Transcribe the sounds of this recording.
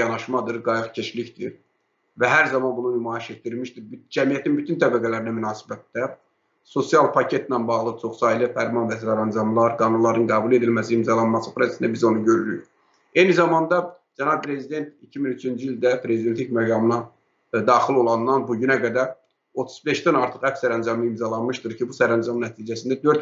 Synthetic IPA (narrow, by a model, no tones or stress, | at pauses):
ɑnɑʃmɑd̪ɯɾɡɑjɯɣcʰe̞ʃliçd̪iɾ | væɦæɾzɑmɑnbununymɑːiʃe̞t̪̚d̪iɾmiʃd̪iɾbd͡ʒæmijæt̪ʰinbyt̪ʰynt̪ʰæbæɡælæɾinæmynɑːsi̥bæt̪ːæ | so̞sijɑlˠpʰɑcʰe̞t̪nænbɑɣlˠɯt͡ʃʰo̞χsɑːjlˠifæɾmɑnvæsɾɑɾɑnd͡ʒɑmlˠɑɾɡɑːnunlˠɑɾɯnɡæːbulˠe̞d̪ilmæsiimzɑlˠɑnmɑsɯpʰɾɑsesind̪æbizo̞nuɟø̞ɾyɾy̰ɾ | e̞jnizɑmɑnd̪ɑ | d͡ʒænɑb̚pʰɾe̞zid̪e̞nt̪icʰiminyt͡ʃʰynd͡ʒiild̪æpʰɾe̞zid̪ent̪licmæɡɑmɯnɑ | d̪ɑːxilo̞lˠɑnːɑnbuɟynæɡæd̪æɾ | o̞t̪ʰu̥z̥be̞ʃd̪ænɑɾt̪ʰɯχhæfsæɾænd͡ʒɑmɯimzɑlˠɑnmɯʃt̪ɯɾcʰibusæɾænd͡ʒɑmnæt̪ʰiːd͡ʒæsind̪æd̪ø̞ɾt̪